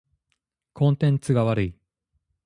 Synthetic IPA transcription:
kõ̞nt̪ẽ̞nt͡sɨɡaβaɾɯ̟i

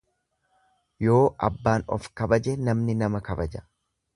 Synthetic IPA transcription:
jo̞ːʔɐbːaːnɔ̰fkɐbɐd͡ʒɛnɐmnɪnɐmɐkɐbɐd͡ʒɐ̥

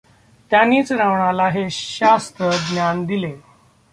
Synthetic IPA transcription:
t̪janiːt͡sɾaʋɳalaɦeɕast̪ɾəɡ̪njand̪ile

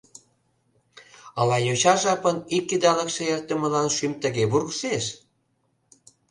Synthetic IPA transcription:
əlɑjot͡ɕɑʒɑpənikːid̪ɑlə̆kʃĕjərt̪ə̆mə̆lɑnʃymt̪ə̆ɣeβurɣʃeʃ

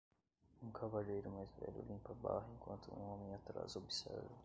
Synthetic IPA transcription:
ũkʰavaʎejɾʊmajzvɛ̰lʊlĩmpɐbaɦẽŋkwɐ̃nt̪ʊṵ̃õmĩat̪ɾa̰zobisɛdu

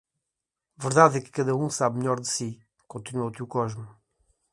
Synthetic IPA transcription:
vɨɾðaðɛkɨ̥kɐðɐũsaβmʎɔɾðɨsi | kõnt̪inuout̪ewkɔʒmu

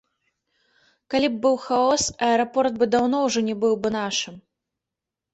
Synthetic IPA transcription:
kalʲib̚ːɨwxaɔsɐɛɾɐpɔrt̪̚bɨd̪awnɔwʐɔnʲɛbɨwbɨnaʂɨm

